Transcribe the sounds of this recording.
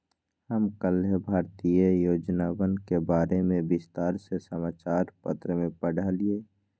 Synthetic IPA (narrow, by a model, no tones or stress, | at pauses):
həmkəlɦebʱaːɾt̪ijəjoːd͡ʒnaːwənkebaːɾemẽbɪst̪aːɾsesəmaːt͡ʃaːɾpə̰t̪ɾəmẽpəɽalieː